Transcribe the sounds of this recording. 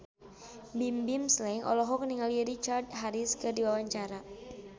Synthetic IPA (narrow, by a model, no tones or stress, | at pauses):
bimbimslɛŋʔɔ̰lɔɦɔk̚niŋaliɾit͡ʃardɦaɾiskɨrdiwawaɲt͡ʃaɾa